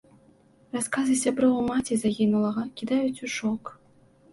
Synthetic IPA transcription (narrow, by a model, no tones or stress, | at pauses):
raskazɨsʲabɾɔwmat͡sʲizaɣʲinulˠɐɣɐkʲid̪ajut͡sʲuʂɔk